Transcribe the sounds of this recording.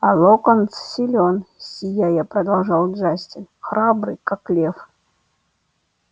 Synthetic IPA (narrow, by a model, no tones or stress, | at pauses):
alˠokənssʲɪlʲonsʲijajapɾɐd̪ɐlˠʐɑlˠd̪ʐasʲtʲɪnxɾabɾɨkaklʲef